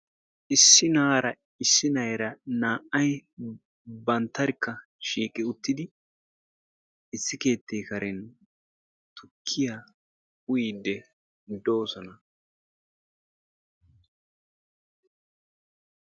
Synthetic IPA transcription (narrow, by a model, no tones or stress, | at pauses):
ʔɪsːɪnaːɾɐ | ɪsːɪnɐjɾɐnaːʔɐj | bɐnt̪ːɐɾɪkːɐ | ʃiːkʼːɪʊt̪ːɪd̪ɪ | ɪsːɪke̞ːt̪ːejkɐɾɛn | t̪ʰʊkʰːɪja | ʊjiːd̪ːɛ | d̪o̞ːsɔnɐ